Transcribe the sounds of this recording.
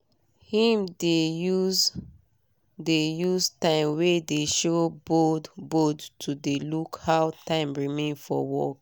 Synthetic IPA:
hĩmdeuz | dejuztãɪ̃mwedeʃobodbodtʰudelukhawtʰãɪ̃mɹimẽnfɔ̰wɔk

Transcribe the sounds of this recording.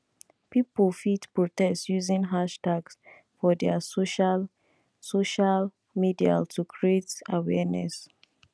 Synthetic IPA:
piplfitpɹotɛstsjuzĩnɦaʃtaɡs | fɔdɛsoʃal | soʃal | midia̰ltʰukʰɹietawɛnɛ̰s

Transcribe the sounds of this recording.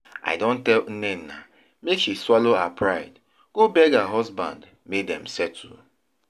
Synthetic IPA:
a̰ɪdõntɛl̩nẽnːa | mekʃiswaloapʰɹaɪd | ɡ̥obɛɡaɦɔzbã̰nd | medɛ̰̃m̩sɛtʰṵ

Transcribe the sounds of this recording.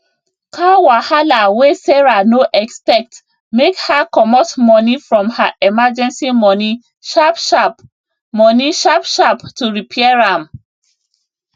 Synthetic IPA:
kawahalawesɛɹanoʔɛkspɛk̚t | mekhakɔmɔtmɔnifɹɔ̃mhaʔɛmad͡ʒɛ̃nsimɔni | ʃapʃ | mɔniʃapʃaptuɹipʰɛɛɹãm

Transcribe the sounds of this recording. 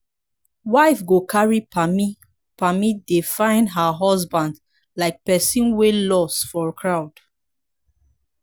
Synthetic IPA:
waɪfɡokʰaɹipʰami | pamidefãɪ̃ndɦəɦɔzbãnd | laɪk̚pɛsĩnwelɔstfɔɹkʰɹaʊd̥

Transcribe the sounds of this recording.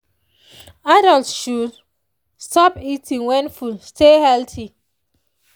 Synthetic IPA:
adɔltʃud | stɔpitʰĩŋwɛ̃nfustehɛltʰi

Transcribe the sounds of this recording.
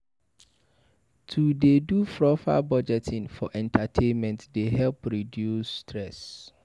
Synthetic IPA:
tʰudedufɹɔfa̰bɔd͡ʒɛtʰĩnfɔ̰ʔɛ̃ntʰatʰẽnmɛ̃ntdeɦɛlpɹidjusːtʰɹɛs

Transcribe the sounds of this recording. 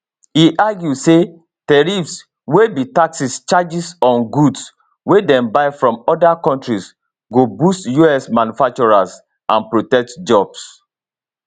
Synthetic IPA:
hiʔaɡjuse | tɛɹifs | webitaksist͡ʃad͡ʒisɔ̃nɡuds | wedɛ̃mbaɪfɹɔ̃mɔdakɔ̃ntɹis | ɡobustjuɛsmãnufak̚t͡ʃuɹas | ãnpɹotɛk̚td͡ʒɔbs

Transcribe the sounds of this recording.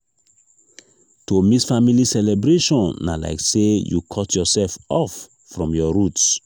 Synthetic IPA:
tomisfamilisɛlebɹeʃɔ̃nːa̰la̰ɪksejṵkʰɔtʰjɔsɛlfɔfː | ɹɔ̃mjɔɹut

